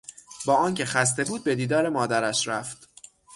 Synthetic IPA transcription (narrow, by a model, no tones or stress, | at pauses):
bɒːɒːncʰe̞xæs̬t̪e̞buːd̪̚be̞d̪iːd̪ɒːɾe̞mɒːd̪æɾæʃɾæft̪